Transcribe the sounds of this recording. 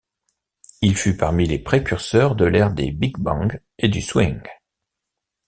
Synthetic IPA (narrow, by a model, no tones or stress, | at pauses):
ilfypaʁmilepχekʲyʁsœʁd̪əlɛʁd̪ḛbiɡbɑ̰̃ɡ | ed̪yswĩŋ